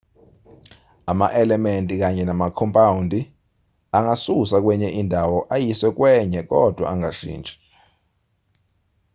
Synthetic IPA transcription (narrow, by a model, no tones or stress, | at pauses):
ama̰ʔɛlɛmentʼik̬aɲɛnamakʰɔmpʼawundʱi | aŋasusak̬wɛɲɛʔindʱawɔʔajiswɛk̬wɛɲɛk̬ɔd̥ʱwa̰aŋaʃḭːnd͡ʒʱʼi̥